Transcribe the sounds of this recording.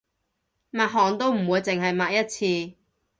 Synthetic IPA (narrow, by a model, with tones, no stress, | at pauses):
maː˨˧t̚ɦɔː˨˩ŋt̪o˥wm̩˨˩wuː˨˧jt͡sɪ˨ŋɦɐ˨jmaː˨˥k̚jɐ˥t̚t͡sʰiː˧